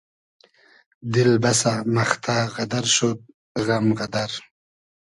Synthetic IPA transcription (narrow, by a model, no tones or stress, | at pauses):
d̪ɪlbasamaxt̪ʰaɣad̪aɾʃot̪̚ | ɣamɣad̪aɾ